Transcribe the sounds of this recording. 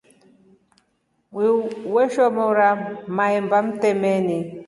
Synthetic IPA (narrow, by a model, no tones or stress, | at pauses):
wiwɛʃɔmɔuɾamaɛmbam̩tɛmɛni